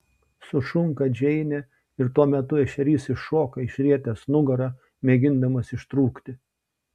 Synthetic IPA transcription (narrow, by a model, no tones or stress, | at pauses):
sʊʃʊŋkɐd͡ʒʲɛɪnʲɛ | ɪɾt̪uɔmʲɛt̪ʊɛʃʲɛɾʲiːsɪʃoːkɐɪʃʲɾʲiɛt̪ʲɛsnʊɡɐɾɐ | mʲeːɡʲɪnd̪ɐmɐsɪʃt̪ɾuːkt̪ʲɪ